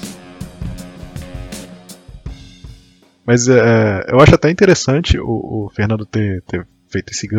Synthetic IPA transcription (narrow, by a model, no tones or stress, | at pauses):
mɐjzɛɛḛwaʃʊat̪ɛĩnt̪eɾesɐ̃t͡ʃɪʊ̰ʊfehnɐ̃nd̪ʊt̪eɾt̪e | fejt̪ʊesɪɡɐ̃